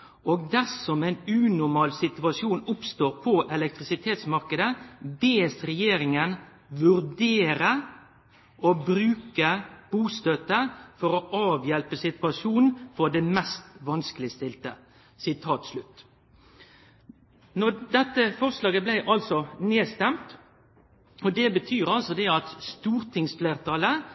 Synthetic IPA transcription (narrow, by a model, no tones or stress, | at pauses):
ʔoːɡd̪æsɔmɛɪnʉːnʊɾmɑːlsɪt̪ʉɑsjuːnʊpst̪oːɾpʰɔʔɛlɛk̚t̪ʁɪsɪt̪ʰeːt̪smɑɾkəd̪əbeːsɾɛjeːɾɪŋən | ʋʉɾd̪eːɾə | ɔbɾʉːkəb̥uːst̪øt̪əfɔɾɔʔɑːʋjɛlpəsɪt̪ʉɑsuːnn̩fɔd̪ɛmɛst̪ʋɑnskəlɪst̪ɪlt̪ə | sɪt̪ʰɑːt̪slʉt̪ː | nɔd̪ɛt̪ːəfɔʁslɑːɡəblæɪʔɑlsɔneːst̪ɛmt̪ | ɔd̪ɛbət̪ʰyːɾɑlsɔd̪ɛɑt̪st̪uːɾt̪ʰɪŋsfleːʁt̪ʰɑːlə